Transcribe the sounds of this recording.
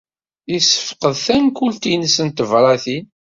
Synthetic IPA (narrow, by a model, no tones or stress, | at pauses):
isə̥fqəðθænkult̪insənt̪əvɾˤɑθin